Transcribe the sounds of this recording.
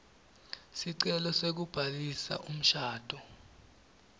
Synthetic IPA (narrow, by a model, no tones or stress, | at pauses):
siǀɛlɔsek̬ub̥ʱalisa̰ʔum̩ʃaːd̥ʱɔ